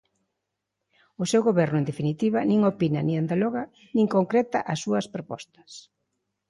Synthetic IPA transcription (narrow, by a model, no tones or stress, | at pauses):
ʊsewɣoβɛɾnʊẽnd̪efinit̪iβɐnĩŋopinɐnĩand̪alɔɣɐ | nĩŋkoŋkɾɛt̪ɐʔɐsːuɐspɾopɔ̰st̪ɐ̥s